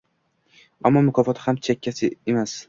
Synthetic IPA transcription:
amːɒmʊkʰɒfɒt̪ʰhamt͡ʃʰakʲːasɪemas

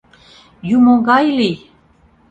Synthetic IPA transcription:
jumoɡɑjli

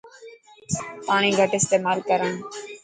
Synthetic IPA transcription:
paːɳ̃ĩːɡʱəʈɪst̪eːmaːlkəɾəːn

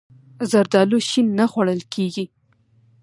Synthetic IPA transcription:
zaɾd̪ɑloʃinːaxwaɽəlkʰeɡi

